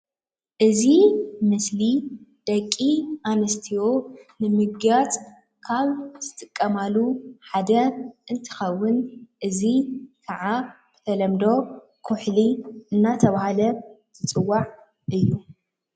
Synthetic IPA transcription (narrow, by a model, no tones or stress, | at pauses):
ʔɨzimɨslid̪̥ɐkʼːiʔanɐst̪ʰionɨmɨɡjat͡sʼ | kʰaβz̥ɨt̪ʼɨkʼːɐmaluħad̪ɐʔɨnt̪ʰɨ̥xɐwːɨnʔɨzikʰaʕab̥ɨ̥t̪ʰɐlɐmd̪o̞ | kʰʊħliɨnːat̪ʰɐβahalɐt̪ʰɨt͡sʼɨwːaʕ | ʔɨjːu